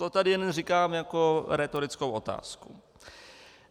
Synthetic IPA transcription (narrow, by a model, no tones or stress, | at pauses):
t̪ot̪adɪjɛnrikaːmjakoɾɛt̪oɾɪt͡skowʔo̞t̪a̰ːsku